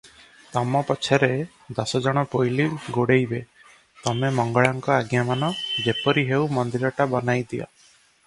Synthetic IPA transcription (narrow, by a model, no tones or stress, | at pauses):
t̪ɔmɔpɔt͡ʃʰɔɾe | d̪ɔsɔd͡ʒɔɽ̃ɔpojliɡoɽejbe | t̪ɔmemɔŋɡɔɭɔŋkɔaɡjamanɔd͡ʒepɔɾiɦewmɔnd̪iɾɔʈabɔnajd̪iɔ̰